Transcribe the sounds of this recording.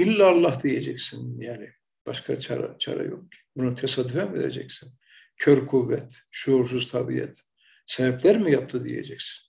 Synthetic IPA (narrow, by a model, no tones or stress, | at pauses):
ilʲːaːlˠːahd̪ijed͡ʒɛcsinjaːnɪ | b̥aʃkʰat͡ʃʰa̰ɾa̰t͡ʃʰa̰ɾa̰jo̰k̚ʰi̥bunat̪ʰesad̪ufɛmvḛɾḛd͡ʒɛ̰csin | cʰøɾkʰuvːɛt̪ʃuːɾsuzt̪ʰabḭɛ̰t̪ | sɛbɛplʲæɾmijap̚t̪ʰɯd̪ije̞̰d͡ʒɛcsi̥n